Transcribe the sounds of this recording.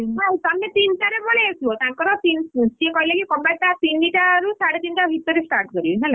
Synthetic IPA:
ɦajt̪amːet̪intaɾebɔɭeesuɔt̪aŋkɔɾɔt̪int͡ʃiekɔjleɡikɔmbaʈ̚t̪at̪inːiʈaɾusaɽet̪inʈaɦit̪ːɔɾisʈaɾʈkɔɾilnɛlɛ

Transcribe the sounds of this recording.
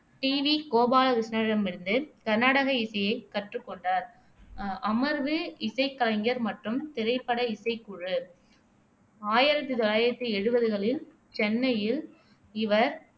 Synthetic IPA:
ʈiːʋikoːbaːlɐʋɪsnɐɻɐmɪɾɯnd̪ɯkɐɾnaːɽɐɣɐɪsɐjɐɪkɐʈrɯkːɔɳɖaːɾ | ɐmɐɾʋɯɪsɐɪkːɐlɐŋɡɐɾmɐʈrɯmt̪ɪɾɐɪpːɐɽɐɪsɐɪkuɻɯ | aːjɪɾɐt̪ːɯt̪ɔlaːjɪɾɐt̪ːɯɛɻɯbɐðɯɣɐɭɪl | t͡ʃɛnːɐjɪl | ɪʋɐɾ

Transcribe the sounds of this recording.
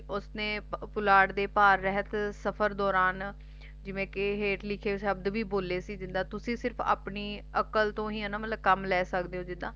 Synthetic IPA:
ʊsnẽːpʊlaːɽd̪eːpaːɾːɛɦət̪səpʰəɾd̪ɔːɾaːn | d͡ʒɪʋẽːkɪɦeːʈlɪkʰeːʃəb̚d̪ʋiːboːleːsiːd͡ʒɪnd̪ãːt̪ʊsĩːsɪɾpʰa̰ːpɳiːəkəlt̪õːɦiːɦɛːnaːmət̪ləb̚kəmlɛːsəkd̪eːɦõːd͡ʒɪd̪ãː

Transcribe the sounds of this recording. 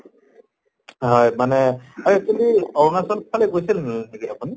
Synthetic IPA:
ɦɔjmanɛaɹitudiɔŋasɔlpʰalɛɡojsilnneɡiapuni

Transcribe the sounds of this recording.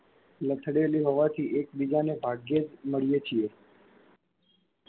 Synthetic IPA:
lət̪ʰɽeliɦɔʋat̪ʰiʔek̚bid͡ʒanebʱaɡjed͡ʒməɭijet͡ʃʰie

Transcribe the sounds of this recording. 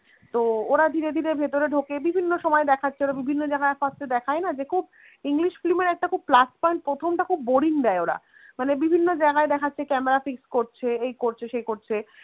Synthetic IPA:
t̪ooɾad̪ʱiɾed̪ʱiɾebʱet̪oɾeɖʱokebibʱinːoʃɔmɔed̪ɛkʰatːʰeoɾabibʱinːod͡ʑaɡaeapast̪ed̪ɛkʰaenad͡ʑekʰub | iŋliʃflimeɾɛk̚ʈakʰub̚plaspɔiɳʈ̚pɾot̪ʰomʈakʰubːoɽiŋd̪ɛeoɾa̰ | manebibʱinːod͡ʑaeɡaed̪ɛkʰatːɕʰekɛmeɾafikskoɾt͡ɕʰeejkoɾt͡ɕʰeʃejkoɾt͡ɕʰe

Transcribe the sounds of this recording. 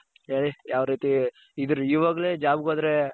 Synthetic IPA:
ɦeːɭijaːʋɐɾiːt̪i | id̪ɾuiːʋaːɡɐleːd͡ʒaːbɡoːd̪ɾe

